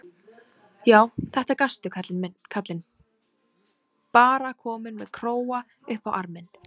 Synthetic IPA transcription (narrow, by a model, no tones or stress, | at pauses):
jaːwθɛht̪aɾkast̪ʏkʰat̪lɪnmɪkʰat̪lɪn | paːɾakʰɔːmʏnmɛðkʰɾoːwa | ʏhpawʔaɾmɪn